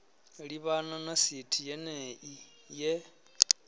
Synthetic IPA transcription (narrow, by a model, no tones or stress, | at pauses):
ɺiβananasitʰijɛnɛʔi | jɛ